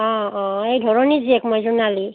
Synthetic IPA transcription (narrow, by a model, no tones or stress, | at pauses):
ɔ̃ɔ̃ejdʱɔɹɔniziɛkmojzunali